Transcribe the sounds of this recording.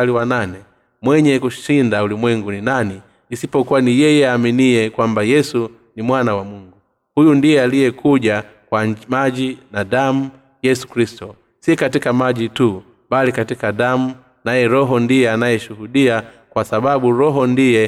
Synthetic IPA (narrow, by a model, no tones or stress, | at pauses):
liwananɛ | mwɛɲɛkuʃindaulimwɛŋɡuninaniː | sipɔkuwanijɛjɛaminiɛkwambajɛsu | nimwanawamuŋɡu | hujundijɛalijɛkʰuʄa | kwamaʄinaɗamu | jɛsu̥kɾistɔ | sikatikamaʄitu | balikatikaɗam̩ | najɛɾɔɦɔndijɛanajɛʃuhuɗia | kwasaɓaɓuɾɔɦɔndijɛ